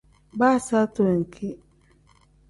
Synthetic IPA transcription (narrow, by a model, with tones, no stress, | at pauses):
ba˦˨sa˦to˨ŋ̩˨kʰi˦